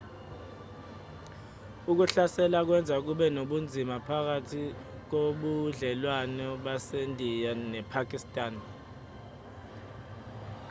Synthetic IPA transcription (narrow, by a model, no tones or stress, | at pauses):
uk̬uɬasɛlak̬wɛnd͡zʱak̬uɓɛnoɓund͡zʱimapʰak̬atʰi | k̬oɓuɮɛlwanɔɓasendʱijanɛpʰak̬ʼistʼaːn